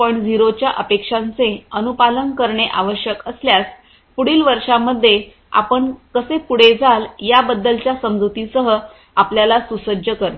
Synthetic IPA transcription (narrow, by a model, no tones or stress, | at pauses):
pəɳd͡ziɾot͡ɕjaʔəpekʂant͡seənupalənkəɾɳeʔaʋəɕjəkəsljat͡s | puɽiːlʋəɾʂamːəd̪ʱːje | a̰pəɳkəsepuɽ̤ed͡zʱaljabəd̪ːəlt͡ɕjasəmd͡zut̪isəɦə | apljalasusəd͡ʑəkəɾt̪